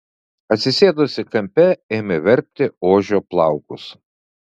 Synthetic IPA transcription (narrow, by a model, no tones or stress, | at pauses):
ɐt̪ʲsʲɪsʲeːd̪ʊsʲɪkɐmʲpʲɛeːmʲɪʋʲɛɾʲp̚ʲt̪ʲɪoːʒʲoːplˠɑˑʊkʊs